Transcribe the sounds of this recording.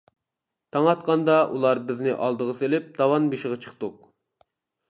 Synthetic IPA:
t̪ʰɑŋɑt̪qɑnd̪ɑʔṵlˠɑɾbɪznɪʔɑlˠd̪əʁəselɪp̚d̪̥ɑwɑnbiʃɪʁɑt͡ʃʰə̥χt̪uq̚

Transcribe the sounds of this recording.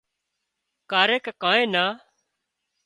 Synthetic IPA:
kaːɾeːkːkãːẽːnaː

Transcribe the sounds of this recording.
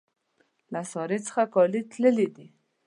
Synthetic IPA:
lasɔɾet͡sə̥xakɔlit̪ləlid̪i

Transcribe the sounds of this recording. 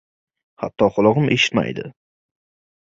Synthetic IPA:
ha̰t̪ʰːɒχʊlˠɒʁɨmʔe̞ʃɪ̥t̪ma̰jd̪ɪ

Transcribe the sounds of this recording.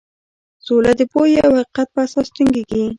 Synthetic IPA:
solad̪əpojeawhaqiqat̪̚pəasɑst̪ɪŋɡeɡi

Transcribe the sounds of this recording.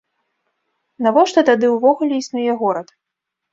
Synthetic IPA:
navɔʂt̪ɔt̪ad̪ɨwvɔɣulʲɛisnujɛɣɔɾɐt̪

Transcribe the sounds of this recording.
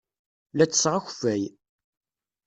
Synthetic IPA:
læt͡sːə̥sʁaçfæj

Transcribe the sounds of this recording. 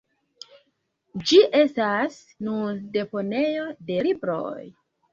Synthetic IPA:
d͡ʒiʔe̞stas | nunde̞po̞ne̞jo̞de̞libɾo̞̰j

